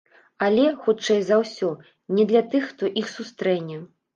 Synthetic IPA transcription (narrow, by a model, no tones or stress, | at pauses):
alʲɛxut͡ʂɛjzawsʲɔ | nʲɛd̪lʲɐt̪ɨxːt̪ɔʔixsust̪ɾɛnʲːɛ